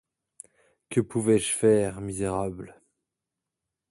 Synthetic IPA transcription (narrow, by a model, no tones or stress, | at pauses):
kəpuvɛʒfɛʁmizeʁabl